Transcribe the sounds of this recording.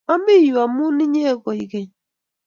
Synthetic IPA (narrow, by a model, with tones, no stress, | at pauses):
a˦mi˦ji˨a˨m˦u˦ni˦ɲe˦e˦ɡo˨i˨ɡe˨